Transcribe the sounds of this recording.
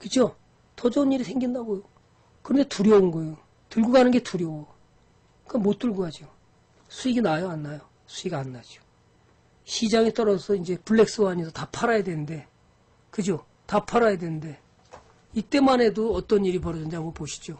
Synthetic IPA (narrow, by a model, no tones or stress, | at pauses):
kɯt͡ɕʰo | tʌd͡ʑʌuniɾisʰeŋɡindaɡojo | kɯɾʌnde̞tuɾjʌunɡʌjo | tuɭɡuɡanɯnɡe̞tuɾjʌ | kɯɡamot͈̚uɭɡuad͡ʑio | sʰuiɡinajʌanːajo | sʰuiɡianːad͡ʑio̥ | ɕʰid͡ʑaŋit͈ʌɾʌsʰʌind͡ʑe̞puɭːe̞k̚s͈ɯwaːɲisʰʌtapʰaɾajadwe̞nɯnde̞ | kɯd͡ʑo | tapʰaɾajadwe̞nɯnde̞ | it͈e̞mane̞doʌt͈ʌniɾip̬ʌɾʌd͡ʑɯnd͡ʑiamɡʌpoɕʰi̥d͡ʑo